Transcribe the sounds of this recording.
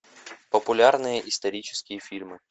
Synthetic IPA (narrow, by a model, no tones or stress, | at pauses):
pəpʊlʲarnɨjəʔɪst̪ɐɾʲit͡ɕɪ̥skʲɪjəfʲilʲmɨ